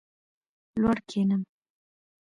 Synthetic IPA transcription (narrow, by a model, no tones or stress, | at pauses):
lwaɽkʰenəm